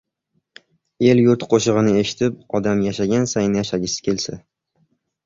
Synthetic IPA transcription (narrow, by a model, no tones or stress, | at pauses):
e̞ljʊɾt̪qʰoʃɨʁɨnɪe̞ʃɪ̥t̪ʰɪp̚ɒd̪amjaʃaɡʲansajnɪjaʃaɡʲɪsɪ̥kʲʰe̞lsɪ